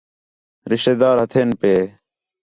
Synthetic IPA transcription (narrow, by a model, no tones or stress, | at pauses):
ɾɪʃt̪eːd̪aːɾɦət̪ʰeːnpeː